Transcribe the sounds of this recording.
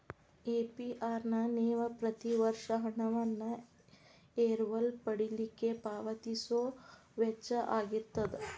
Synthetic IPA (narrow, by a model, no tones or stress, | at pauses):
eːpiʔaːɾnɐneːʋɐpɾɐt̪iʋɐɾʂɐɦɐɳɐʋɐnːɐ | eːɾʋɐlpɐɽilikːepaːʋɐt̪isoːʋet͡ʃːɐʔaːɡit̪ːɐd̪e